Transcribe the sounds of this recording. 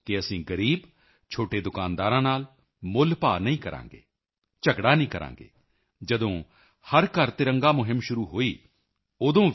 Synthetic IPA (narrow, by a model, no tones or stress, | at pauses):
kɪəsĩːɡəɾiːb | t͡ʃʰoːʈeːd̪ʊkaːnd̪aːɾãːnaːl | mʊlpaːnəĩːkəɾʔã̰ːŋɡḛː | t͡ʃəɡɽaːnĩːkəɾã̰ːŋɡḛː | d͡ʒəd̪õː | həɾkəɾt̪ɪɾə̃ŋɡaːmʊɦɪmʃʊɾuːɦoːiː | oːd̪õː